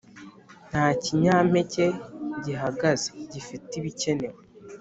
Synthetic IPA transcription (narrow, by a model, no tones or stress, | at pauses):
n̥haːciɲaːm̥e̞ce̞ɟiɦaɡaze̥ɟifitiβice̞ne̞wo